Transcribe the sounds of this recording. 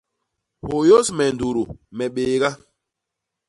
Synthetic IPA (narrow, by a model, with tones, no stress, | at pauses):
ho˨jo˦smɛ˨n˨du˨ɾu˨mɛ˨ɓeː˨ɡa˦